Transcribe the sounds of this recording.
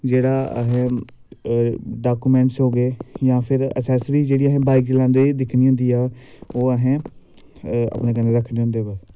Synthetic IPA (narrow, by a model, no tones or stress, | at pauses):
d͡ʒeːɽaːə̰ɦẽ | ɖaːkuːmɛ̃ːɳʈsɦoːɡeːjãːpʰɪɾə̰sɛːsɾiːd͡ʒeːɽiːəɦẽːbaːɪk̚d͡ʒɪlãːd̪eːd̪ɪkʰniːãnd̪iːaːoːəɦẽː | ə̰pnẽːkəneːɾəkʰneːʊ̃nd̪eːbaː